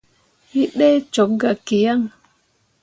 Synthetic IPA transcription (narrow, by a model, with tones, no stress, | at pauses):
i˦ɗɛ˦t͡ʃo˨˦p̚ɡa˨ke˨ja˦˨ŋ